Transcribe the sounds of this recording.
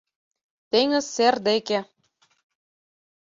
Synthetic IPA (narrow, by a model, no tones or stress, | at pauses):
t̪eŋə̆serd̪eke